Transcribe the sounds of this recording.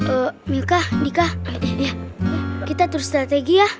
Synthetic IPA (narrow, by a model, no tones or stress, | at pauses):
ʔəɲakahdikahjakit̪at̪uɾust̪ɾat̪eɡiah